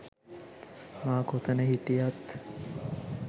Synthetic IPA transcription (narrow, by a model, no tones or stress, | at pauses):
maːkot̪ənəɦiʈijat̪